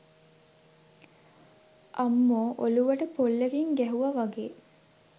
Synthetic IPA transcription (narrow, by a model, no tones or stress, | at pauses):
ʔamːoːʔoluʋəʈəpolːeɡiŋɡæɦuʋɐʋaɡeː